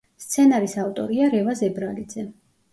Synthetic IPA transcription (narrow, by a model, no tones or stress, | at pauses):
st̪sʰɛnaɾisaft̪ʼɔ̰ɾiaɾɛvazɛbɾalid̪zɛ